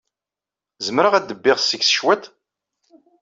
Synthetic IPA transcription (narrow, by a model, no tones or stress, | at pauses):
zəmɾəʁæd̪əbːɪʁsəɡsə̥ʃwæt̪